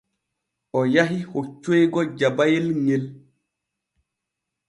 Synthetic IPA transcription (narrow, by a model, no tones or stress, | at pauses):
ɔjaɦihot͡ʃːejɡɔd͡ʒabajelŋel